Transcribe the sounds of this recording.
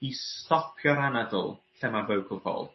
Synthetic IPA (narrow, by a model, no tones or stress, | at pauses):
istɔpʰjɔɾanadʊ̰lˠɬɛmavəwkʰəlˠfɔ̰lˠ